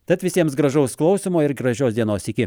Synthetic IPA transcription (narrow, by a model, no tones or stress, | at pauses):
t̪ɐt̪ʋʲɪsʲiɛmsɡɾɐʒɐʊsklˠɐʊsʲɪmoːɪɾɡɾɐʒʲoːsd̪ʲiɛnoːsɪkʲɪ